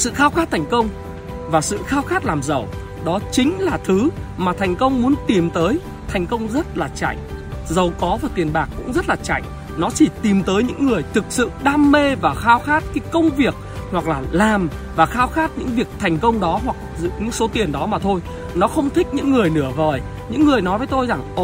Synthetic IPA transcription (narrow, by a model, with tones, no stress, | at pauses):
sɨ̰˧˨xaː˧wxaː˦˥t̪̚ʰɛ˨˩jŋ̟kə˧wŋ͡m | vaː˨˩sɨ̰˧˨xaː˧wxaː˦˥t̚laː˨˩mzə˨˩w | ɗɔ˨˦t͡ɕï˨˦ŋ̟laː˨˩t̪ʰɨ˨˦maː˨˩t̪ʰɛ˨˩jŋ̟kə˧wŋ͡mmu˨˦ənt̪i˨˩mt̪əː˨˦j | t̪ʰa˨˩jŋ̟kə˧wŋ͡mzə˦˥t̚laː˨˩t͡ɕa̰˧˩jŋ̟zə˨˩wkɔ˨˦vaː˨˩t̪i˨˩ənɓaː˨˩k̚ːʊ̰˧˥ŋ͡mzə˦˥t̚laː˨˩t͡ɕa̰˧˩jŋ̟ | nɔ˨˦t͡ɕi˧˩t̪i˨˩mt̪əː˨˦jɲɨ̰˧˥ŋːɨ˨˩əjt̪ʰɨ˨˩k̚sɨ̰˧˨ɗaː˧mːe˧vaː˨˩xaː˧wxaː˦˥t̚kaː˨˦jkə˧wŋ͡mvi˨˩ək̚hwa˨˩k̚laː˨˩laː˨˩m | vaː˨˩xaː˧wxaː˦˥t̚ɲɨ̰˧˥ŋvi˨˩ək̚t̪ʰɛ˨˩jŋ̟kə˧wŋ͡mɗɔ˨˦ɦwa˨˩k̚zɨ̰˧˨ɲɨ̰˧˥ŋso˨˦t̪i˨˩ənɗɔ˨˦maː˨˩t̪ʰo˧j | nɔ˨˦xə˧wŋ͡mt̪ʰï˦˥k̟̚ɲɨ̰˧˥ŋːɨ˨˩əjnɨ˧˩əvəː˨˩j | ɲɨ̰˧˥ŋːɨ˨˩əjnɔ˨˦jvəː˨˦jt̪o˧jza˨˩ŋʔ